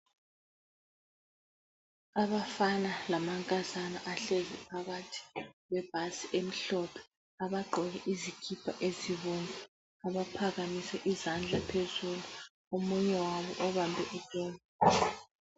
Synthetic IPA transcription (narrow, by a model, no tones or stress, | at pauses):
aβafanalamaŋkʼazanaʔaɬezɛpʰaɣatʰi̥ɣwɛb̥̚ʱasiʔem̩ɬɔpʰɛ̥ | aβaɡ͡ǃʱɔlɛʔizikʰipʰa̰ʔeziβuŋu | aβapʰaɣamisɛʔizand͡ɮʱapʰezulu | omuɲɛwaβɔ̰ʔɔβambʱɛʔid̥ʱʼɔːna